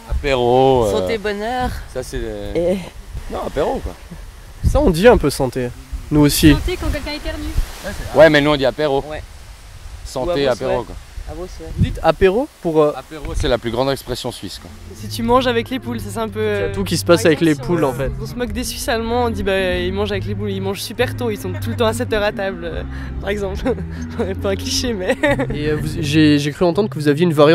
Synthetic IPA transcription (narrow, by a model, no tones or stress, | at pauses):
apeʁosɑ̃ebɔnœːʁsasɛ | nɔ̃apeʁokwa̰ | saɔ̃d̪iɛ̃pøsɑ̃t̪enuosit̪ekɑ̃kʲɛlkʲɛ̃ɛt̪ɛʁnyɛwɛmɛnuɔ̃d̪iapeʁowɛ | sɑ̃t̪eapeʁokwaaosvud̪it̪apeʁopuʁøsɛlaplyɡʁɑ̃d̪ɛkspχɛsjɔ̃sɥiskwaɛsit̪ymɑ̃ʒavɛklepulsaseɛ̃pøt̪ukʲisə̥pasavɛklepʰulɑ̃fɛt̪ɔ̃səmɔkd̪esɥisalmɑ̃ɔ̃d̪ibailmɑ̃ʒavɛklepulilmɑ̃ʒsypɛʁt̪oilsɔ̃t̪ulət̪ɑ̃asɛt̪œʁat̪ablø | paʁɛɡzɑ̃p̪ | ɛpaɛ̃kliʃemɛeøvuʒeʒekχyɑ̃t̪ɑ̃d̪ʁəkəvuzavjeynvwaʁjɑ̃